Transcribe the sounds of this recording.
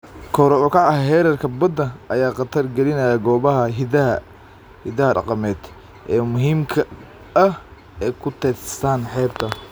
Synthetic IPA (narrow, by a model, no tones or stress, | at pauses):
kʰɔɾɔɔkʰɑʕɐɦɛːɾɐrkʰɐbɐd̪ɐʔɐjaːqɑt̪ʰɐrɡɛlɪnɐjɐɡɔːβɐɦɐɦɪd̪ɐɦɐ̰ | hɪd̪ɐhɐɖɑ̰qɑmɛːd̪ | ʔɛːmʊɦiːmkʰɐ | ɐh | ɛkʰʊt̪ʰɛssaːnħɛːb̚t̪ʰɐ